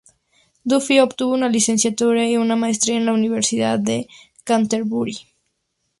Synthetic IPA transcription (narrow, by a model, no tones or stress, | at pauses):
d̪ufiopt̪uβunalisensjat̪uɾaiunamaest̪ɾiaenlauniβ̞eɾsiða̰t̪̚d̪e | kant̪eɾβuɾi